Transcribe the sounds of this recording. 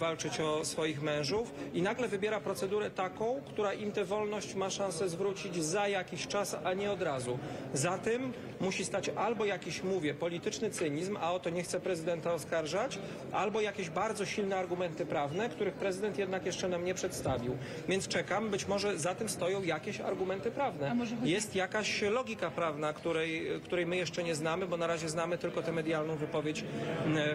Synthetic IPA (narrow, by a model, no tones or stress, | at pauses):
valt͡ʂɘt͡ɕɔsfɔjixmɛ̃w̃ʐufinaɡlɛvɘbʲjɛɾapɾɔt̪sɛd̪uɾɛt̪akɔ̃w̃kt̪uɾaʔimt̪ɛvɔlnɔɕt͡ɕmaʂãñsɛzvɾut͡ɕid͡ʑzajakʲiɕt͡ʂasaɲɛɔd̪ɾazuzat̪ɛmː | uɕist̪at͡ɕalbɔjakʲiɕmuvʲjɛpɔlʲit̪ɘt͡ʂnɘt̪sɘɲizmaɔt̪ɔɲɛxt̪sɛpɾɛzɘd̪ɛnt̪aɔskaɾʐat͡ɕ | ʔa̰lbɔjakʲeʑbaɾd̪zɔɕilnɛaɾɡumɛnt̪ɘpɾavnɛkt̪uɾɘxpɾɛzɘd̪ɛnt̪jɛd̪nakjɛʂt͡ʂɛnamɲɛpʂɛt̪st̪avʲiw | vʲjɛntst͡ʂɛkambɘt͡ɕmɔʐɛzat̪ɘmst̪ɔjɔ̃w̃jakʲeɕa̰ɾɡumɛnt̪ɘpɾavnɛjɛst̪jakaɕlɔɡʲikapɾavnakt̪uɾɛjkt̪uɾɛjmɘjɛʂt͡ʂɛɲɛznamɘbɔnaɾaʑɛznamɘt̪ɘlkɔt̪ɛmɛd̪jalnɔ̃w̃vɘpɔvʲjet͡ɕ